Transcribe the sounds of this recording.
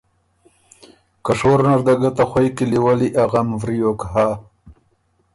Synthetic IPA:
kaʂoɾnaɾd̪aɡat̪axwajkiliwaliʔaɣamvɾijokha

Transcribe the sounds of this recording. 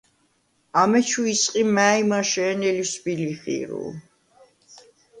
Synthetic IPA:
amɛt͡ʃʰuisʼqʼimæimaʃɛːnɛlisbiliχḭɾṵ

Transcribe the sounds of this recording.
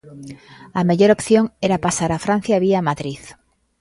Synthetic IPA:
ameʎoɾopθjoŋeɾapasaɾafɾan̟θjaβiamaðɾiθ

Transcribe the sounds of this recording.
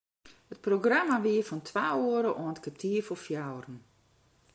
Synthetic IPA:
hət̚proɡramaʋiəfɔntʰʋaːoəɾəʔɔəntkap̚tʰiəfɔfjawrən̩

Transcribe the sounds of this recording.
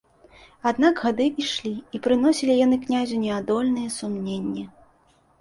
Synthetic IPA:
ad̪naɡɣad̪ɨiʂlʲiipɾɨn̪ɔsʲilʲijanɨknʲazʲunʲɛad̪ɔlʲnɨjɛsumnʲenʲːi

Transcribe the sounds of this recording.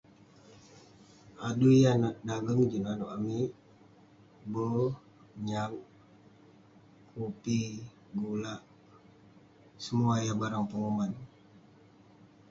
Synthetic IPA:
adujanaʔdaɡəŋd͡ʒənanoʔamiʔ | bə | ɲaŋ | kupi | ɡulaʔ | səmuajahbaɾaŋpəŋuman

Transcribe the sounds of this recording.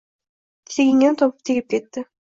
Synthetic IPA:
seɡiŋent̪ʰopu̥p̚t̪ʰiɡʲip̚ket̪ːɪ

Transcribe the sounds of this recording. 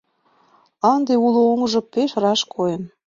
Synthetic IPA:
ɑnd̪eulooŋʒɤ̆peʃrɑʃkʰoem

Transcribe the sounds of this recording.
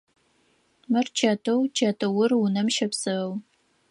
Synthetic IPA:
mɨrt͡ʃʰɐtʰɐwt͡ʃʰɐtʰɐwʊrʊnɐmʃɐpsɨw

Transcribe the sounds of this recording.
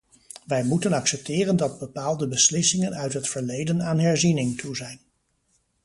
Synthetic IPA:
ʋɛjmutənɑksɛp̚tɪːrəndɑd̚bəpaːlˠdəbəslɪsɪŋənœɥtɦətfəɹlejdənaːnɦɛɹzinɪŋtʰuzɛjn

